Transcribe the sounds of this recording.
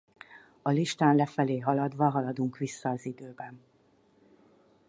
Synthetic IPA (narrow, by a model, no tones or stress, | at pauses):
ɒliʃt̪aːnlɛfɛleːɦɒlɒd̪ʋɒɦɒlɒd̪uŋkʋisːɒːzid̪øːbɛn